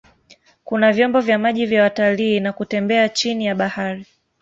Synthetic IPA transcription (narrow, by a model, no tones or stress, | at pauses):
kunavjɔmbɔvjamaʄivjawataliːnakutɛmbɛat͡ʃinijaɓahaɾi